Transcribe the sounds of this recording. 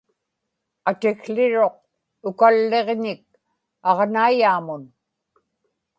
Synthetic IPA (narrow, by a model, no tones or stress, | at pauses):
at̪ɪɣɬɪɻo̞q̚ | ʊkalːe̞ʁɲɪk̚ | ɑʁnaijaːmʊn